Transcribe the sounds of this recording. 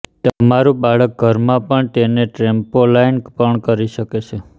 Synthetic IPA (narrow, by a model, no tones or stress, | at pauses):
t̪əmaɾũbaɭək̚ɡʱəɾmãpəɳt̪eneʈɾempolajnpəɳkəɾiʃəket͡ʃʰe